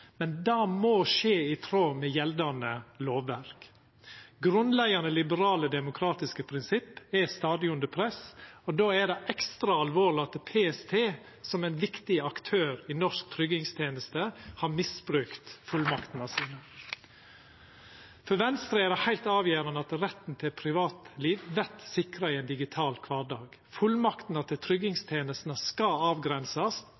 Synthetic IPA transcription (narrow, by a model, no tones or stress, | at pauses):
mɛnd̪ɑːmoːʃeːɪt̪ʰɾoːmɛjɛld̪ɑnəloːʋæɾk | ɡɾʉnlæɡɑnəlɪbəɾɑːləd̪ɛmʊkʰɾɑːt̪ɪskəpʰɾɪnsɪpːɛst̪ɑːd̪ɪʊnd̪əpʰɾɛsɔd̪oːæɖɛʔɛkst̪ɾɑɑlʋoːɭɪɑt̪pʰeːɛst̪ʰeː | sɔmɛnʋɪkt̪ɪɑkt̪ʰøːɾɪnɔʂk̚t̪ʰɾʏɡɪŋst̪ʰjeːnəst̪əhɑːmɪsbɾʉːkt̪fʉlmɑkt̪n̩ɑsiːnə | fɔɾʋɛnst̪ɾəɛd̪ɛhæɪlt̪ɑːʋjeːɾənəɑt̪ɾɛt̪n̩t̪ʰɪlpʰɾɪʋɑːt̪liːʋʋɛɾt̪sɪkɾɑiɛɪnd̪ɪɡɪt̪ʰɑːlkʰʋɑːɖɑːɡ̥ | fʉlmɑkt̪n̩ɑt̪ʰɪlt̪ʰɾʏɡɪŋst̪ʰeːnəst̪nəskɑɑːʋɡɾɛnsɑs